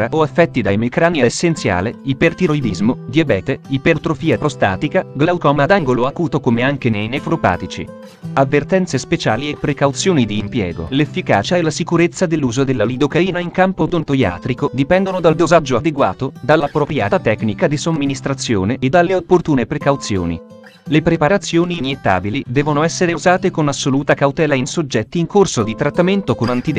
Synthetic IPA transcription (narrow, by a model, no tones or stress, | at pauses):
ɾaoafːɛt̪ːid̪ajmekɾaːniaesːent̪sja̰ːleipert̪iɾojb̪izmod̪iabɛːt̪eipeɾt̪ɾofiːapɾost̪a̰ːt̪ikaɡlawt̪ɔːmad̪aŋɡoloakuːt̪okomeaŋkenejnefɾopa̰ːt̪it͡ʃḭ | avːert̪ɛnt̪sespet͡ʃaːliepːɾekawt̪sjoːnid̪iːmpjɛːɡo̰lefːika̰ːt͡ʃaɛlːasikuɾet̪sːad̪elːuːzod̪elːalid̪okaiːnaiŋkampod̪ont̪oja̰ːt̪ɾikod̪ipɛnd̪onod̪ald̪ozad͡ʒːoad̪eɡwa̰ːt̪od̪alːapɾopɾja̰ːt̪at̪ɛknikad̪isomːinist̪ɾat̪sːjo̰ːneːd̪ːalːeopːort̪uːnepɾekawt̪sjo̰ːnḭ | lepɾepaɾat̪sːjoːniːnjet̪ːa̰ːbilid̪ɛːvonoɛsːeɾeuzaːt̪ekonasːoluːt̪akawt̪ɛːlainsod͡ʒːɛt̪ːiːŋkorsod̪it̪ɾat̪ːament̪okonant̪id̪